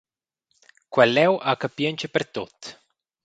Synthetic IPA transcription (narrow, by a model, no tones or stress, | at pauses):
kwɛlːɛwʔakapjəɲt͡ʃepeɾt̪ot̪